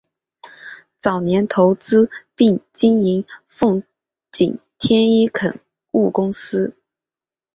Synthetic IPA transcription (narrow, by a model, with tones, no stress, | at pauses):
t͡sɑ˨˩ʊnjɛ˧˥nt̪ʰo˧˥ʊt͡sɹ̩˥pi˥˩ŋt͡ɕi˥ni˧˥ŋfʊ˥˩ŋ | t͡ɕḭ˨˩nt̪ʰjɛ˥ni˥kʰə˨˩n | u˥˩kʊ˥ŋsɹ̩˥